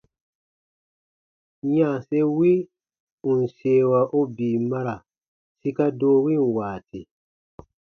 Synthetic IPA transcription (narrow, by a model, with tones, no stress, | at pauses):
ɲã˦˨se˦wi˦ | u˨n̩˨seː˨wa˨ʔo˦biː˨ma˦ɾa˨ | si˦ka˦doː˦wi˦˨nwaː˨ti˨